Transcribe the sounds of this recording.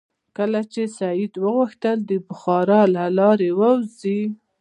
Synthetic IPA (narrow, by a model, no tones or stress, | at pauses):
kəlat͡ʃesajɪd̪wəɣʊxt̪əld̪əbʊxɑɾɑlalɑɾewawzi